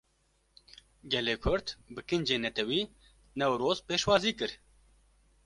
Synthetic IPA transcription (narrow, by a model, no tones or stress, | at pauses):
ɡɛleːkʰʊɾt̪bɨkɨnd͡ʒeːnɛt̪ʰɛwiː | nɛwɾoːzpeːʃwɑːziːkɨɾ